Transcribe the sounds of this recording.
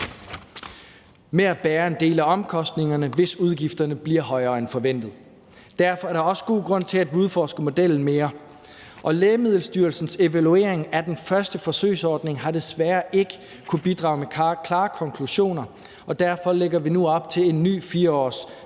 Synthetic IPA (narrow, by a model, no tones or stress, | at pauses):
meæb̥æːɐe̝nde̝̰ːlæɒ̽mkʰɒ̽sd̥ne̝ŋɐnəʋe̝suð̞ˠɡ̥ifd̥ɐnəb̥liɐɦɒ̽ɪɐːenfɒ̽ʋen̰d̥ð̩ˠ | d̥æɐfɒæɐɾ̥ɑ̈ɒ̽sə̥ɡ̥o̝̰ːɡ̥ʁɔ̽n̰t͡sʰe̝læd̥ʋiuðˠfɒːsɡ̥əmo̝d̥el̰n̩me̝ːɐ | ʔɒ̽leːmið̞̰ˠl̩sd̥yɐl̩sn̩se̝ʋælue̝ːɐe̝ŋæd̥enfɶɐsd̥əfɒ̽sø̰ɪsɒːd̥ne̝ŋɦɑ̈d̥e̝sʋæːɐʔe̝ɡ̥ə | kʰub̥id̥ʁɑ̈ʊmekʰlɑ̈ːkʰɒ̽ŋkʰluɕo̝̰ːnɐ | ɒ̽d̥æɐfɒ̽leɡ̥ɐʋinuɒ̽b̥̚t͡sʰe̝le̝nːy̰ːfiːɐɒ̰ːs